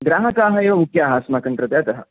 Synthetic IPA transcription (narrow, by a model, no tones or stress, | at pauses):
ɡɾaːɦɐkaːɦɐjeukjaːɦaːsmaːkɐɳt̪ɾɐt̪jat̪ɐɦɐ̰